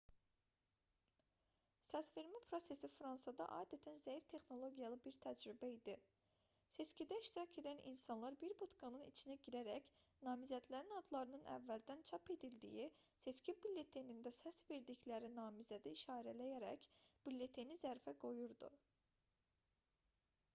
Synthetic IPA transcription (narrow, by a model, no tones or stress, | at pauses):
sæsfeɾmipʰɾo̞se̞sifɾɑnsɑd̪ɑ̰ʔɑ̰ːd̪æt̪ʰænzæjift̪ʰe̞xno̞lˠo̞ɡijɑlˠɯbiɾt̪ʰæd͡ʒɾybæid̪i | se̞t͡ʃcid̪æiʃt̪iɾɑcʰe̞d̪ænḭnsɑnlˠɑɾbiɾbut̪ɡɑnɯnḭt͡ʃʰinæɟiɾæɾæcnɑːmizæd̪læɾinɑd̪lˠɑɾɯnɯnæ̰vːæld̪ænt͡ʃʰɑpe̞d̪ild̪ḭjise̞t͡ʃcibilʲːe̞t̪ʰenind̪æsæsve̞ɾd̪içlæɾinɑːmizæd̪iiʃɑːɾælæjæɾæ̰cb̥ilʲːet̪ʰenizæɾfæɡo̞juɾd̪ṵ